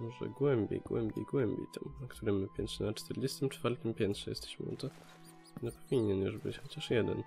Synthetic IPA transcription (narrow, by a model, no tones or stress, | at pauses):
mɔʐɛ̰ɡwɛmbʲḛjɡwɛ̰mbʲjejɡwɛmbʲḛjt̪ʰɛ̰mnakt̪ʰuɾɛmːpʲɛnt̪ʂɛnat͡ʂt̪ʰɛɾd͡ʑest̪ɘmt͡ʂfaɾt̪ɘmpʲjɛnt̪ʂɛjɛ̰st̪ɛ̥ɕmɘ̰ṵt̪ɔ | nɛpɔvʲiɲɛnjṵʐbɘt͡ɕxɔt͡ɕaʂjɛd̪ɛ̰n